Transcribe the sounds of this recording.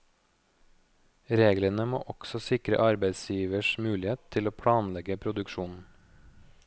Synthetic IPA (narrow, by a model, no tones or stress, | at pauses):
ɾeːɡlənəmo̰ːʔɔksɔsɪkɾə̰ʔɑɾbæɪsjiːʋəʃmʉːlɪeːtt̪ʰːɪloːpʰɽɑːnlɛɡəpʰɾʊd̪ʉkʃuːnn̩